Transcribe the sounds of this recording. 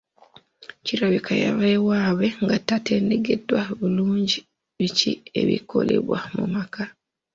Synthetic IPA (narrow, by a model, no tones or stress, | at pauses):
ciɾaβikʰaja̰βewaːβeŋɡatateːndeɡedwaβuluːɲɟi | βicḭḛβḭkʰo̞̰lḛβwa̰mṵmaka